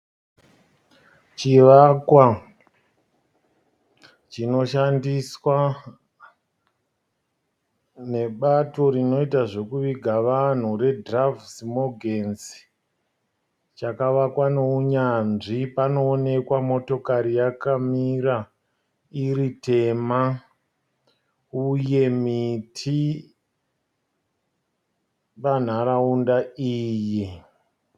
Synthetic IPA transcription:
t͡ʃiʋakwa | t͡ʃino̞ʃandiswa | ne̞ɓato̞ɾino̞itaʐo̞kuʋiɡʱaʋan̤ure̞dravsimo̞ɡʱensi̥ | t͡ʃakaʋakwanouɲanʐipanoːne̞kwamo̞to̞kaɾijakamiɾa | iɾite̞ma | uje̞mitʰi | pan̤aɾaundaiːji

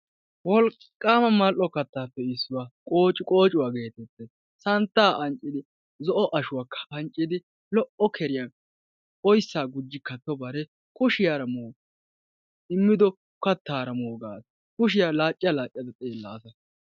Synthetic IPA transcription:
wɔl | kʼːaːmɐmɐlʔɔkɐt̪ːaːpːɛɪsːʊwaːkʼo̞ːt͡ʃʼɪkʼo̞ːt͡ʃʼʊwaːɡe̞ːt̪ɛt̪ːɛs | sɐnt̪ːaːʔɐnt͡ʃʼːɪd̪ɪ | zɔʔɔʔɐʃʊwaːkːɐ̥ɐnt͡ʃʼɪd̪ɪ | lɔʔɔkʰɛɾɪja | ɔjsːaːɡʊd͡ʒːɪkːɐt̪ːɔbɐɾɛ | kʊʃɪjaːɾɐmoː | ɪmːɪd̪ɔ | kɐt̪ːaːɾɐmoːɡaːs | kʊʃ̬ɪjalaːt͡ʃʼːɪjɐlaːt͡ʃʼɪjɐd̪ɐt͡sʼeːlːaːsɐ

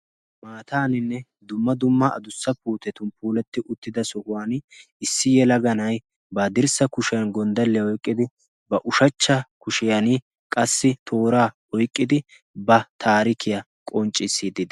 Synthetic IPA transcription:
maːt̪aːnɪnːɛ | d̪ʊmːɐd̪ʊmːɐɐ̰d̪ʊsːɐpuːt̪ɛt̪ʊnpʰuːlɛt̪ːɪʔʊt̪ːɪd̪ɐsɔhʊwaːn | ɪsːɪjɛlɐɡɐnɐj | baːd̪ɪɾsɐkʊʃɪjɐnɡɔnd̪ɐlːɛjɔjkʼːɪd̪ɪ | bɐʔʊʃɐt͡ʃːɐkʊʃɪjɐni | kʼɐsːɪt̪ʰo̞ːɾaː | ɔjkʼːɪd̪ɪ | bɐt̪ʰaːɾɪkʰɪjɐ | kʼɔnt͡ʃʼːɪsːiːd̪ɪd̪ɐ

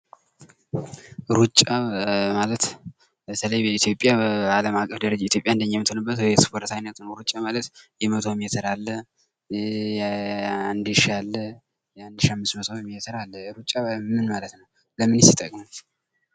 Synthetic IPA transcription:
ɾut͡ʃʼːamalət̪ | bət̪ʰələjbəit̪ʰjo̞pʼːjaaləmakʼːəfd̪əɾəd͡ʒait̪ʰjo̞pʼjaɨndəɲːamːɨt̪ʰonɨbːət̪wjɛspʰo̞ɾt̪ajnːət̪nəwɾut͡ʃʼːamalət̪jɛmət̪ʰo̞mijɛt̪ʰəɾalːə | and̪iʃalːə | jɛand̪ɨʃamːɨst̪mət̪ʰo̞mːjɛt̪ʰəɾalːəɾut͡ʃʼːamɨnmalət̪nəw | ləmɨnɨsit̪ʼəkʼmu

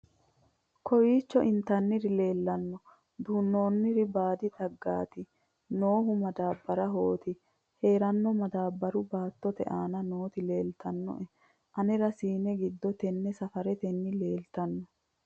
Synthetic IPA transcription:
kɔwiːt͡ʃːɔʔɪnt̪ɐnːɪɾɪle̞ːlːɐnːɔ | d̪uːnːoːnːɪɾɪbaːd̪ɪt̪ʼɐɡːa̰ːt̪ɪ | noːɦʊmɐd̪aːbːɐɾɐɦoːt̪ɪ | heːɾɐnːɔmɐd̪aːbːɐɾʊbaːt̪ːɔt̪ɛ̰ʔaːnɐno̞ːt̪ɪle̞ːlt̪ɐnːɔ̰ʔɛ | ʔɐnɛɾɐsiːnɛɡɪd̪ːɔt̪ɛnːɛsɐfɐɾɛt̪ɛnːɪle̞ːlt̪ɐnːɔ

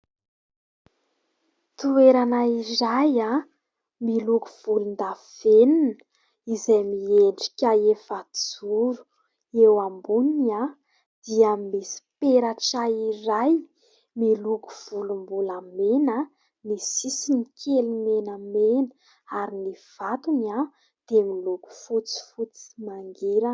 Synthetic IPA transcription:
t̪ueɾanairaja | miluɡuv̥ulund̪av̥eninə̥ | izajmieɳɖ͡ʐi̥kʲaefad͡zuɾu̥ | ewambunia | d̪̥iamesi̥peɾaʈ͡ʂaiɾaj | miluɡu̥v̥ulumbulamenə | misisinikʲʰelimenamenə̥ | aɾiniv̥at̪uɲa | d̪̥emiluɡu̥fut͡si̥fut͡si̥maŋɡiɾə

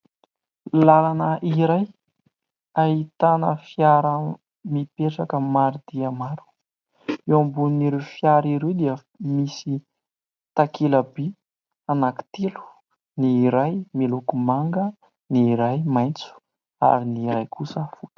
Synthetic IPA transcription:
lalanəʔiɾaj | aɦit̪anə̰fijaɾə | mipeʈ͡ʂakəmaɾid̪̥iəmaɾu̥ | ewambuniniɾewfjaɾiɾewd̪iə | misi | t̪akʰeləbi | anaki̥t̪elu̥ | niːɾajmilukumaŋɡə | niːɾajmajnt͡su̥ | a̰viniɾajkusəfut̪

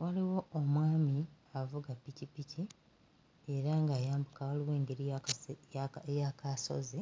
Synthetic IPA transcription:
wʔaliwo̞ːmwaːmiavuɡapːicipicʰi | e̞ɾaŋɡaːjaːmbukawaliwe̞ːŋɡe̞ɾi | jakaso̞̰ze

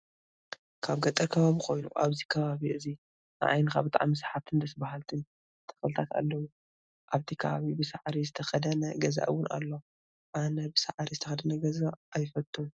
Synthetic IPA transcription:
kʰaβɡɐt̪ʼɐkʰɐβaβixʰo̞jnṵʔaβzikʰɐβaβiʔɨzi | n̰ʔa̰jnkaβɨt̪ʼa̰ʕmːɨsħat̪ʰɨnd̪ɐsbaɦalt̪ʰɨn | t̪ʰɐ̥flɨt̪ʰat̪a̰lːɐwu | ʔaβt̪ʰikʰɐβaβibɨsaʕɾizɨt̪ʰɐxɐd̪ɐnɐɡɐza̰ʔɨwːʊna̰lːo | ʔanɐbɨsaʕɾizɨt̪ʰɐxɐd̪ɐnɐɡɐzaʔːjɪfɐt̪ʼːum

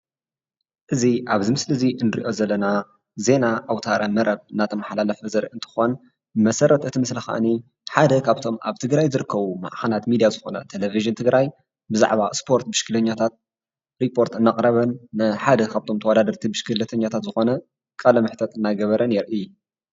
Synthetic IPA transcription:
ʔɨziʔaβzɨmɨslɨziɨnɨɾḭʔo̞zɐlːɐna | ze̞naʔawt̪ʰaɾɐmɐɾɐβɨnːat̪ʰɐmaħlalɐfɐzɐɾʔɨnt̪ʰɨ̥xon | mɐsɐɾʔɐt̪ɨt̪ʰimɨslɐxa̰ʔni | ħad̪ɐkʰaβt̪ʰo̞ma̰βt̪ʰɨɡɾajzɨɾɨkːɐβuma̰ʔxɐlat̪mid̪ijazɨxo̞nɐ̰t̪ʰeleviʒɨnt̪ʰɨɡɾʔaj | bɨza̰ʕβaspʰo̞ɾt̪bɨʃkʰɨlɐɲːat̪ʰat̪̚ | ɾipʰːo̞ɾt̪ɨnːaqʼɾɐβɐnːɐħad̪ɐkʰaβt̪ʰo̞mt̪ʰɐwɐd̪ad̪ɐɾt̪ʰibɨʃkʰɨlɐt̪ʰɐɲːat̪ʰat̪zɨxo̞nɐ | kʼalɐmɨħt̪ʰɐt̪ɨnːajɡɐβɐɾɐnɛɾʔɨju

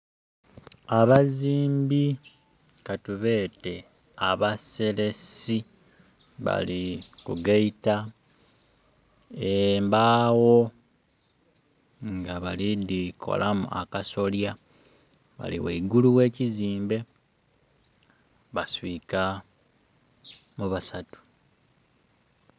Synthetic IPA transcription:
aβaziːmbi | katuβe̞ːte̞ | a̰βase̞le̞si | βa̰likuɡaita | embaːwo̞ | ŋɡaβalidikʰo̞̰lʔamṵʔa̰kaso̞lja | βa̰lḭweiɡuluwe̞ːciziːmbe̞ | βaswiːka | muβasatu̥

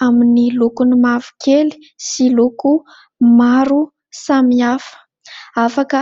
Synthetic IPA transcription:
aminilokunimavu̥kʰeli̥ | siloku | maɾu | samiafə̥ | afakə

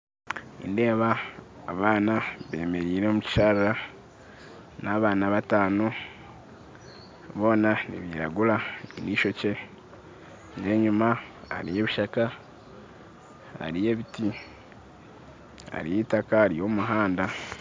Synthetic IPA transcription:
ḭnde̞ːβaː | βaːnaβe̞̰ːme̞ɾiːɾemuci̥ʃaːɾiɾa | naβaːnaβataːno̞ | βo̞ːnanḭβiɾa̰ɡulainiʃo̞ce̞ | ɲdeːɲumaa̰ɾije̞ːβiʃaka | ha̰ɾije̞ːβiti | a̰ɾijitakaːɾijo̞muɦaːnda

